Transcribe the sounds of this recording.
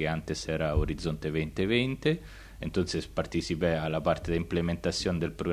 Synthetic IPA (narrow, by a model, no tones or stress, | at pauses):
eant̪esɛːɾaoɾid̪zːont̪evɛnt̪evɛnt̪e | ḛnt̪onsespart̪it͡ʃipɛalːapart̪ed̪implement̪at̪sːjoːned̪elpɾoɡ